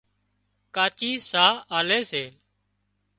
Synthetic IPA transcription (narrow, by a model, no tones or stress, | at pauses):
kaːt͡ʃiːsaːaːleːseːl